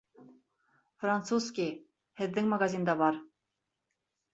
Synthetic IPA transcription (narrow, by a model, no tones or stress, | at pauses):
fɾɑnt̪suskʲi | hɪðːɪŋmɑɡɑzind̪ɑbɑɾ